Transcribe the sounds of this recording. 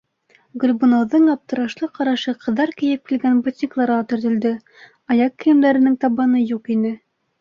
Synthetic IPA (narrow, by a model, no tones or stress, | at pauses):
ɡɵ̆lʲbunoðːɤɴɑp̚t̪ɤ̆ɾɑʃlˠɤqɑɾɑʃɤqɤ̆ðːɑɾkɘ̆jɘp̚kilɡænbut̪ʲnʲiklˠɑɾʁɑt̪ɵ̆ɾðɵ̆ld̪ɘ | ɑjɑkːɘ̆jɘ̆md̪æɾɘ̆nɘŋt̪ɑβɑnɤjuqinɘ